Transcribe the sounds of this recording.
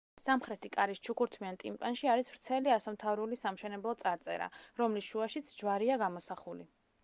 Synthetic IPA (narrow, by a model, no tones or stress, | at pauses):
samχɾɛt̪ʰikʼaɾist͡ʃʰukuɾt̪ʰmiant̪ʼḭmpʼanʃiaɾisv̥ɾt̪sʰɛliasamt̪ʰavɾulisamʃɛnɛblˠɔt̪sʼaɾt̪sʼɛ̰ɾa̰ɾɔmlisʃuaʃit̪sʰd͡ʒvaɾiaɡamɔsaχulḭ